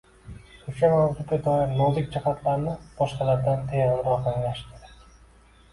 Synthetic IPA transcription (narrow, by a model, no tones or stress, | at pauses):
ʊʃamawd͡ʒ̪uɡ̪ʲad̪ɒɪɾnɒzɪk̚ʲd͡ʒahat̪ʰlaɾɪnɪb̥ɒʃqɑlaɾd̪ant̪ʰajanɾɒh̪aŋlaʃt̪ɪd̪ɪ